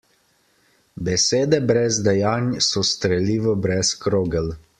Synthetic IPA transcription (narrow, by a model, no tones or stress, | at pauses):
bɛseːd̪ɛbɾɛzd̪ɛjaːnjsɔst̪ɾɛliːʋɔbɾɛskɾoːɡəl